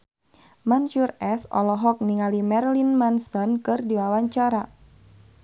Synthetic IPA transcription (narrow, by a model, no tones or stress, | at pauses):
manʃurɛsɔ̰lɔɦɔk̚niŋalimɛrlinmansɔnkɨrdiwawaɲt͡ʃaɾa